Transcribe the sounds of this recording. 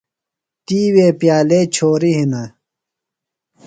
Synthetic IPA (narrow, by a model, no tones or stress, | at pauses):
t̪iːweːpjaːleːt͡ɕʰoːɾiɦinɐ